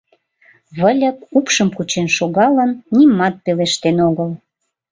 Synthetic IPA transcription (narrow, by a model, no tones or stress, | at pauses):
βəlʲəkupʃəmkut͡ɕenʃoɣɑlənːimːɑt̪̚peleʃt̪enoɣəl